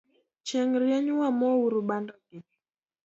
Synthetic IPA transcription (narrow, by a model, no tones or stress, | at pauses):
t͡ʃɛŋɾjɛɲwamɔuɾuɓandɔkii